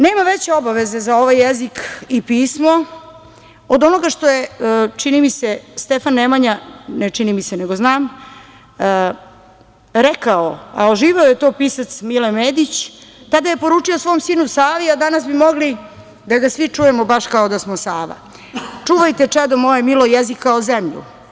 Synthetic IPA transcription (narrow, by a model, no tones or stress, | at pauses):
neːmaʋet͡ɕeo̞baʋeze̞zao̞ʋajːezikipiːsmo̞ | od̪o̞noɡaʂt̪o̞jet͡ʂinimisest̪efanːemaɲanet͡ʂinimiseneɡoznaːmː | ɾɛkaoa̰oʒiːʋeojet̪o̞ːpisat̪smilemeːd̪it͡ɕt̪ad̪aje̞po̞ɾuːt͡ʂiosʋo̞ːmsiːnusaːʋiad̪anasbimo̞ɡli | d̪aɡasʋit͡ʂujemobaʃkaod̪asmosaːʋa̰ | t͡ʂuːʋajt̪et͡ʂɛd̪omojemilojezikːaozemʎṵ